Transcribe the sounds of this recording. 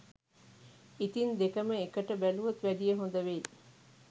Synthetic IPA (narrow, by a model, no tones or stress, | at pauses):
it̪ind̪ekəməekəʈəbæluʋɐt̪ʋæd̪ijəɦond̪əʋeː